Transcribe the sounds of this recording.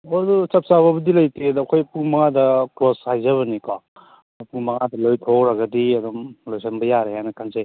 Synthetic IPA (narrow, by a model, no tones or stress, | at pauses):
odut͡ʃɐp̚saβɐbɐdilɐjtedɐkʰojpuŋmɐŋadɐkɾoshajzɐβɐnikɔ | puŋmɐŋadɐlojtʰokɾaɡɐdiɐd̪ɔmlojsenbɐjaɾeɦanɐkʰanze